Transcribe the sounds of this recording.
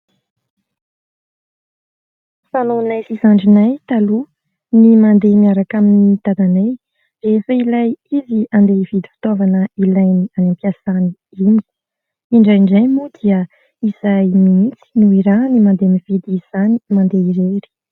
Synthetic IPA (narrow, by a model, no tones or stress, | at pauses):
fanonasisaɳɖ͡ʐinajt̪alu | nimand̪emiaɾakamiit̪ad̪anaj | refəilajiziand̪ev̥id̪i̥fi̥t̪ovanəilajnianampiasani | imi̥ | iɳɖ͡ʐajɳɖ͡ʐajmud̪iə | izajmimit͡si̥nuiɾanimand̪emiv̥id̪izz̥animand̪eiɾeɾi̥